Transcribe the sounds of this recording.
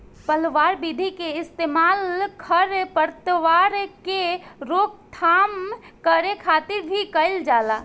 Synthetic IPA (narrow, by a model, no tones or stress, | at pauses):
pəlʋaːɾbid̪ʱikeɪst̪emalkʰəɾpəɾt̪əʋaːɾkeɾok̚t̪ʰaːmkəɾekʰaːt̪ɪɾbʱikəld͡ʒaːla